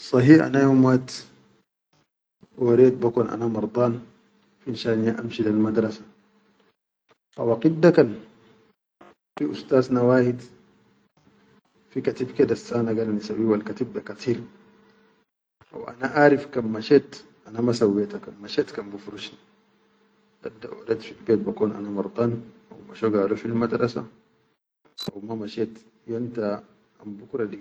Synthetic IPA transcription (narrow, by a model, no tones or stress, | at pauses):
sˤɑɦiʔa̰najomat̪ | waɾeːt̪̚bakunʔa̰namɑɾˤd̪ˤɑːn | finʃaːʔniːaʔamʃilalmad̪ɾˤɑsḁ | ʔa̰waqid̪ːakan | fiʔṵst̪aːznawaːhid̪ | fikat̪ibked̪asːaːnaɡalanisawiwalkat̪ib̚d̪akat̪ʰiːɾ | ʔa̰wʔa̰naʔaːɾifkammaʃet̪ʔanamasawːet̪akanmaʃet̪kambufɾuʃni | d̥ad̪ːa̰ʔo̰det̪filbeːt̪̚bakoːnʔa̰namɑɾˤt̪ˤɑnʔa̰wmaʃoɡaːloʃilimad̪ɾasa̰ | ʔa̰wmamaʃet̪ | jont̪a | ambukɾˤɑli